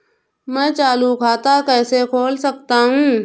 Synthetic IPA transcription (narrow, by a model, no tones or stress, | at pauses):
mɛ̃ːt͡ʃaːlukʰaːt̪akɛːsekʰoːlsɐk̚t̪aɦũː